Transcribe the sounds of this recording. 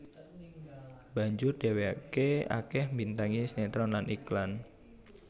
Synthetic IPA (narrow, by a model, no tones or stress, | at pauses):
b̥a̤ɲd͡ʒʊrd̥e̤weakea̰kɛhmbint̪aŋisnet̪ɾɔnlanʔiklan